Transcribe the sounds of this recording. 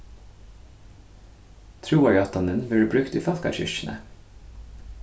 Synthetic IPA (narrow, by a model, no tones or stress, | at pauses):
t̪ʰɾuːɑjɑt̪ɑnənʋeːɹbɹʉkt̪iːfɑt̪kɑ̰çʏ̰ʃnə̰